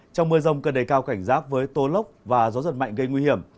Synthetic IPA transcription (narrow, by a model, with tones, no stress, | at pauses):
t͡ɕɔ˧wŋ͡mmɨ˧zə˧wŋ͡mkəː˧˩ɗe˨˩jkaː˧wka˧˩jŋ̟zaː˦˥t̚vəː˨˦jt̪o˨˦lə˦˥wk͡p̚vaː˨˩zɔ˨˦zə˨˩ma̰˧˨jŋ̟ɣə˧jŋwi˧hi˧˩əm